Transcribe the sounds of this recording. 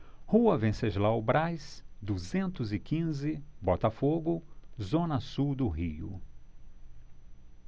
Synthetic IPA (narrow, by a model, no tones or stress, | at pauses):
huɐvẽseʒlawbɾajsd̪uzẽnt̪ʊzɪkĩzɪbɔt̪ɐfoɡʊzõnɐsuwd̪ʊɦiʊ̰